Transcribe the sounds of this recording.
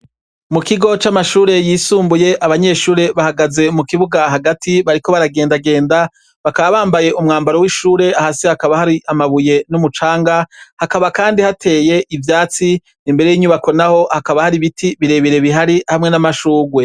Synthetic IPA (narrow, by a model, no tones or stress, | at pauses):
mukiɡo̞t͡ʃamaʃuːɾe̞jiːsuːmbuje̞ʔaβaɲe̞ʃuːɾe̞βahaɡaze̞mukiβuɡaɦaɡatiβaɾiko̞βaɾaɡe̞ːndaɡe̞ːnda | βakaβaβaːmbaje̞ʔumŋaːmbaɾowiʃuːɾe̞ahasihakaβahaɾiʔamaβuje̞numut͡ʃaːŋɡahakaβakaːndihatʰe̞ːje̞ʔivjaːt͡si | nimbe̞ɾe̞jiːɲuβako̞naho̞hakaβahaɾiβitʰiβiɾe̞βiɾe̞βiɦaɾihamŋe̞namaʃuːɡwe̞